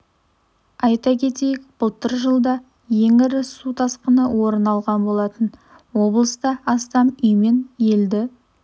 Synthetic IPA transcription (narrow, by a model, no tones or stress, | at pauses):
ɑjt̪ɑkʲʰe̞t̪e̞jɪk̚bʊlˠt̪əɾʒəlˠd̪ɑ | je̞ŋɪɾɪsut̪ʰɑsqənəwo̞ɾənɑlˠʁɑnbo̞lˠɑt̪ən | wo̞blˠəst̪ɑɑst̪ɑmʏjme̞nje̞ld̪ɪ